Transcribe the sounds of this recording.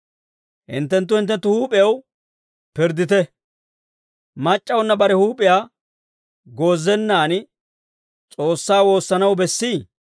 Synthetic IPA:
hɪ̰nt̪̬ːɛnt̪̬ːʊhɪnt̪ːɛnt̪ːʊhuːpʼɪjɐw | pɪɾd̪ɪt̪ɛ | mɐt͡ʃʼːɐwʊnːɐbɐɾɛhuːpʼɪjaː | ɡo̞ːzːɛnːaːn | t͡sʼo̞ːsːaːwo̞ːsːɐnɐwbɛsːiː

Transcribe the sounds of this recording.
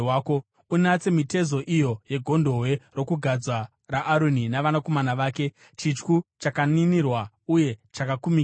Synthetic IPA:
waːko | unat͡se̞mite̞zo̞ʔijo̞je̞ɡʱo̞ndo̞ɦwe̞ro̞kuɡʱad͡zwa | raʔːɾuninaʋanako̞manaʋaːke̞ | t͡ʃit͡ʃkut͡ʃakaninirwa | uje̞t͡ʃakakumi

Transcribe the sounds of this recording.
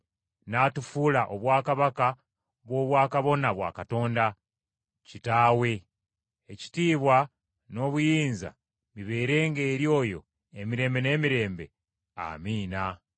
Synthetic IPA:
natufulaʔo̞βwaːkaβaka | βwo̞βwaːkaβo̞naβwa̰ːkato̞ːnda | citaːwe̞ | eci̥tiːβwa | no̞ːβujiːnza̰ | miβe̞ːɾe̞ːŋɡe̞ːɾjo̞ːjo̞̰ | e̞miɾe̞ːmbe̞ne̞ːmiɾe̞ːmbe̞̰ | a̰miːna

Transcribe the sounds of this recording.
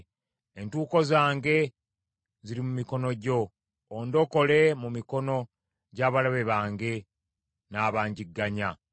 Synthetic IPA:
entuːko̞zaːŋɡe̞ | ziɾimumiko̞no̞ɟo̞ː | ndo̞ko̞le̞mumiko̞no̞ | ɟaːβalaβe̞βaːŋɡe̞ | naːβaːɲɟiɡːaɲa

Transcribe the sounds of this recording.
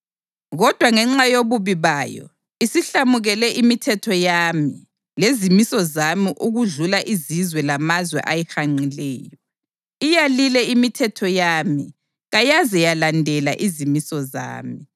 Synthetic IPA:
ɣɔd̥ʱwaŋɛŋ͡ǁajoβuβiβaːjɔ̰ | isiɬamuɣɛlɛʔimitʰɛtʰɔjami | lezimisɔzamiʔuɣuɮulaʔizizwɛlamazwɛ̰ʔajɛxaŋ͡ǀilɛːjɔ | ijalilɛimitʰɛtʰɔjami | ɣajazɛjalandʱɛla̰ʔizimisɔza̰ːmi

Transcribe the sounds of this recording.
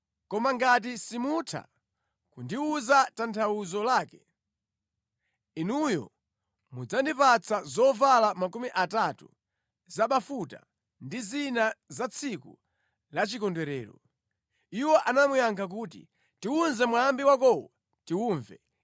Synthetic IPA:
kɔmaŋɡat̬isimutʰa̰ | kundiuzatantʰawuzɔlaːkɛ | inujɔ̰ | mud͡zandipat͡sʰazɔvalamakumiʔatatṵ | zaɓafuta̰ | ndizinazat͡sʰikṵ | lat͡ʃikɔndwɛɾɛ̰ːɾɔ̰ | iwɔʔanamujaŋkʰak̬uːtḭ | tiunzɛmwambiwak̬ɔwa | tiuːɱvɛ̰

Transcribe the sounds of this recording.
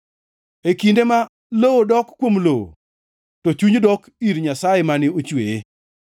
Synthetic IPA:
ekindema | lowodɔkːwomlowo̰ | tɔt͡ʃuɲdɔk | iɾɲasajemanɪot͡ʃweje

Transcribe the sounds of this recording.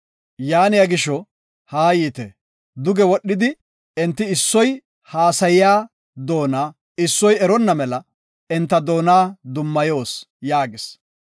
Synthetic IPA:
jaːnɪjaɡɪʃɔ | haːjiːt̪ɛ | d̪ʊɡɛwɔɗːɪd̪ɪ | ɛnt̪ːɪːsːɔj | haːsɐjɪjaː | d̪o̞ːnaː | ɪsːɔjɛɾɔnːɐmɛlɐ | ɪnt̪ːɐd̪o̞ːnaːd̪ʊmːɐjo̞ːs | jaːɡɪs

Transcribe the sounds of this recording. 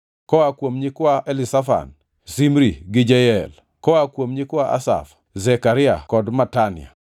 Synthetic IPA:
kɔwakwomɲikwaʔɛlɪsafa̰n | simɾiɡɪd͡ʒɛjɛl | kɔwakwomɲikwaʔa̰sa̰f | zɛkaɾɪa̰kɔdmatanɪ̰a̰

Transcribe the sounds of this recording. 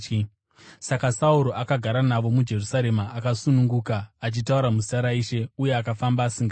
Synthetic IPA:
sakasauɾo̞ʔakaɡʱaɾanaʋo̞mud͡ʒe̞rusaɾe̞maʔːkasunuŋɡukaːt͡ʃitauɾamusaɾaiːʃe̞uje̞akafambaːsiŋɡa

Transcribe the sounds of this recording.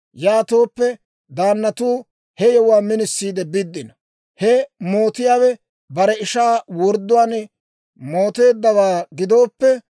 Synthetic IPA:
jaːt̪oːpːɛ | d̪aːnːɐt̪uː | hɛjɛwʊaːmɪnɪsːiːd̪ɛbɪd̪ːɪnɐ | hɛmo̞ːt̪ɪjaːwɛ | bɐɾɛɪʃaːwɔɾd̪ːʊwaːnɛ | mo̞ːt̪e̞ːd̪ːɐwaːɡɪd̪o̞ːpːɛ

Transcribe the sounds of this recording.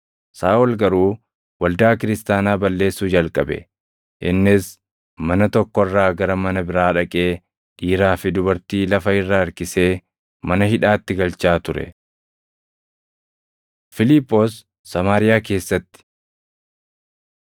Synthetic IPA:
saːɔlɡɐɾuː | wɐld̪aːkɪɾɪst̪aːnaːbɐlːeːsːuːd͡ʒɐlkʼɐbɛ̰ | ʔɪnːɪs | mɐnɐt̪ɔkːɔrːaːɡɐɾɐmɐnɐbɪɾaːᶑɐkʼe̞ː | ᶑiːɾaːfɪd̪ʊbɐɾt̪iːlɐfɐɪrːaːɐɾkɪse̞ː | mɐnɐhɪᶑaːt̪ːɪɡɐlt͡ʃaːt̪ʊɾɛ̰ | fɪlɪpʼːoːsː | ɐmaːɾɪjaːke̞ːsːɐt̪ːɪ̥

